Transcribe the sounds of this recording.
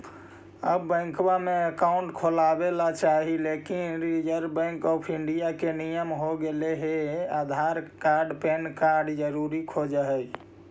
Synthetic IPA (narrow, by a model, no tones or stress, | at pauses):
ə̰bːə̃ŋkbameəkaʊɳʈkʰolabelat͡ʃaɦilekinɾid͡ʒəɾbə̃ŋkɔːpʰiɳɖijakenijəmɦoɡeleɦead̪ʱaɾkaɾɖpenkaɾɖd͡ʒəɾuɾikʰod͡ʒəɦɛj